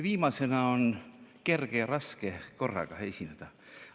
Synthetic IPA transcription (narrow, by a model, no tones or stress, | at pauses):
viːmɑse̞nɑonke̞rɡ̥ejɑɾɑskeko̞rːɑ̰ɡ̥ɑesʲined̪̥ɑ